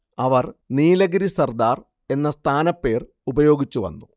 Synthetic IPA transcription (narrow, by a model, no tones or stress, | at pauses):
ɐʋɐrniːlɐɡɾisɐrd̪aːr | e̞nːɐst̪ʰaːnɐpːe̞ːr | ubɐjo̞ːɡit͡ɕːuʋɐ̰nːu